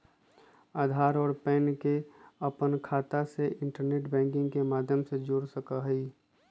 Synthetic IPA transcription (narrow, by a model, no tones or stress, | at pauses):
aːd̪ʱaːɾɔːɾpɛːnkeəpənkʰaːt̪aseɪ̃ɳʈəɾneːʈbɛ̃ːŋkɪ̃ŋɡkemaːd̪ʱjəmsed͡ʒoːɾsəkaɦəi